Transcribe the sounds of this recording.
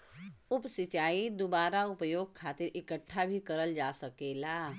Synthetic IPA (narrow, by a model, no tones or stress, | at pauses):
ʊpsit͡ʃaːid̪ubaːɾaʊpəjoːɡ̚kʰaːt̪iɾʔɪkəʈʰːabʱikəɾəld͡ʒasəkeːla